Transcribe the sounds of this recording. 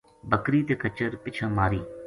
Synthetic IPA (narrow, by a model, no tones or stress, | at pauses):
bəkɾiːt̪eːkət͡ʃəɾpɪt͡ʃʰãːmaːɾiː